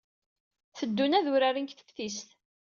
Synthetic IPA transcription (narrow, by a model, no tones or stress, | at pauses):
θəd̪ːunæðʊɾaɾiŋkθə̥fθisθ